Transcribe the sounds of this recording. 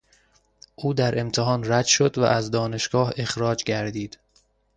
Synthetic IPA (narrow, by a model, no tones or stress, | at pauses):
ʔuːd̪æɾʔe̞mt̪ʰeɦɒːnræd̪ʃo̞d̪væ̰ʔæzd̪ɒːne̞ʃɡ̥ɒːhe̞xɾɒːd͡ʒɡæɾd̪iːd̪̥